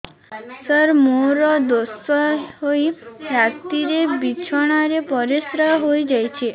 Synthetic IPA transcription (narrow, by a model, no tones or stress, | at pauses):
səɾmoɾɔd̪osəɦoiɾakt̪iɾebit͡ʃʰɔɽ̃aɾepɔɾesɾəɦojd͡ʒajt͡ʃʰe